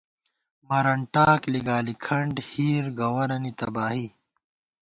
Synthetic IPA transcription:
mɐɾɐɳʈaːkliɡaːlikʰɐɳɖhiːɾɡɐwɐɾɐnit̪ɐbaːɦi

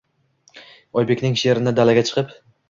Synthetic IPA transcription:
ɒjbekʲnɪŋʃe̞ɾɪnɪd̪alaɡʲat͡ʃʰɨ̥qʰɨp

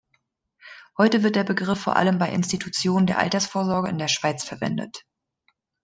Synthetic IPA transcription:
hɔʏtəvɪɐt̚d̥eːɐbəɡʁɪfoːɐʔa̰ləmbaɪʔɪ̰nstitʰut͡sjoːnəndeːɐʔa̰ltɐsfoːɐzɔɐɡəɪndeːɐʃv̥aɪt͡sfɛɐvɛ̰ndə̰t

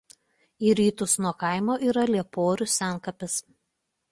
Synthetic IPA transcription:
iːɾʲiːt̪ʊsnuɔkɑˑɪmoːʔiːɾɐlʲiɛpoːɾʲʊsʲæˑnˑkɐpʲɪs

